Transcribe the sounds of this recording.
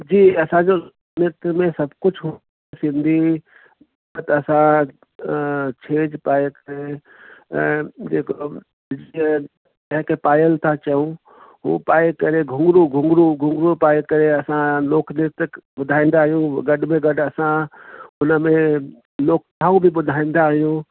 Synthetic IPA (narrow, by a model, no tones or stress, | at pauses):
d͡ʒiːɐsãd͡ʒo | nɪɾt̪mẽsɐbkʊt͡ʃʰɦu | sɪ̃nd̪ʱi | ət̪ɐsã | t͡ʃʰeːd͡ʒpaːekəɾe | d͡ʒeːko | d͡ʒ̪ | ɐɦẽkepaːjəlt̪ʰat͡ʃəũ | ɦṵ̃paːekɐɾeɡʱʊ̃ŋɡɾuɡʱʊ̃ŋɡɾuɡʱʊ̃ŋɡɾupaːekɐɾeɐsãloːkʰnɪt̪kbʊd̪ʱaːĩːn̆d̪aːɦijũɡɐɗmẽɡɐɖɐsãʊnəmẽ | loːk̚t̪ʰaːũbʱibʊd̪ʱaːĩːnd̪aːɦijũ